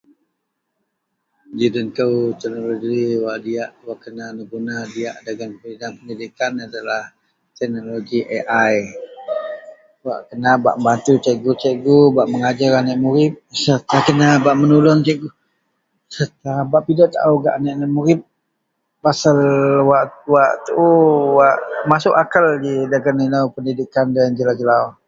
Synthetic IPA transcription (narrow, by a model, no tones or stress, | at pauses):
d͡ʒidənkəwt̪ɛk̚noloɡiwaʔdiaʔwaʔkənanəɡunadiaʔdaɡanpəidaŋpəndidikanadalah | t̪ɛk̚noloɡiʔeʔaj | wa̰ʔkənaba̰ʔəmbant̪ut͡ʃɛʔɡut͡ʃɛʔɡubaʔməŋad͡ʒaɾanaʔmuɾɪp̚səɾt̪akənabaʔmənulɔŋt͡ʃɛʔɡu | səɾt̪abaʔpidaʔt̪a̰ʔuɡa̰ʔanaʔnaʔmuɾɪp̚ | pasalwaʔwaʔt̪uwaʔmasʊʔakaldidaɡanːinawpəndidikandand͡ʒəlad͡ʒəla